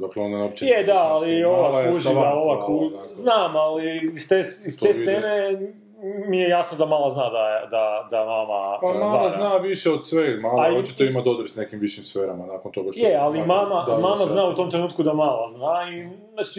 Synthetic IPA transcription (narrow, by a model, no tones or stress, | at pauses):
d̪aklonanopt͡ʃjed̪aːlioʋakuʒiaoʋakuznaːmaliist̪eist̪essene | mijejasnod̪amaːlˠaznad̪ad̪ad̪amamapamaaaznaʋiʃeod̪sʋemalaot͡ʃit̪oimad̪od̪ɾsnekimʋiʃimsfeːɾamanaːkont̪o̞ɡaʃtjealimamamamaznaːut̪omt̪ɾenuːt̪̚kud̪amalaznai | nat͡ʃi